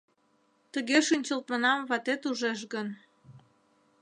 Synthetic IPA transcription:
t̪əɣeʃynʲt͡ɕəlt̪mənɑmvɑt̪et̪uʒeʃ̬ɣən

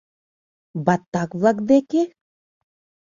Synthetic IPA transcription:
bɑt̪ːɑkβlˠɑkd̪eke

